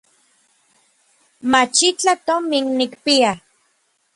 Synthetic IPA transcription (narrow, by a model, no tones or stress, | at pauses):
mat͡ʃit͡ɬat̪ominnikpia